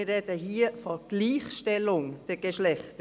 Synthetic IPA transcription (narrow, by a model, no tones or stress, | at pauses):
rɛd̥əɦiːəfɔɡ̥liːχʃtɛlʊŋd̥ɛɡ̥eʃlɛχt